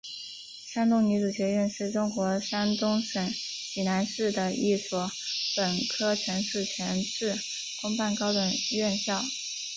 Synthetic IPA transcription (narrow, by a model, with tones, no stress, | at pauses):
ʂa˥ŋt̪ʊ˥ŋny˧˥ʈ͡ʂu˨˩ɕɥɛ˧˥ɥɛ˥˧nʂɻ̩˥˩ʈ͡ʂʊ˥ŋkwɔ˧˥ʂa˥nt̪ʊ˥ŋʂə˧˥˦ŋ | t͡ɕi˨˩na˧˥nʂɻ̩˥˩d̪ə˩i˥˩swɔ˧˥pə˨˩nkʰɤ˥ʈ͡ʂʰɤ˧˥ŋʂu˥˩t͡ɕʰɥɛ˧˥nʈ͡ʂɻ̩˥˩ | kʊ˥ŋpa˥˩nkɑ˥ʊd̪ə˨˩ɥɛ˥˧nɕjɑ˥˩ʊ